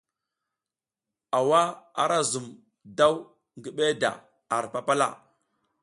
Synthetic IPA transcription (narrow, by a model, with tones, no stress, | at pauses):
a˨wa˦a̰˦ɾa˦zu˨m | da˦w | ŋɡi˦ɓe˦da̰˨ | a˨ɾpa˦pa˦la̰˦˨